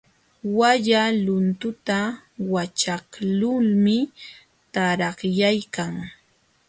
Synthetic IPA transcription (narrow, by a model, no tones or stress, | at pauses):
waʎalʊnt̪ʊt̪a | wat͡ʃaklʊlmɪ | t̪aɾɑχjajkaŋ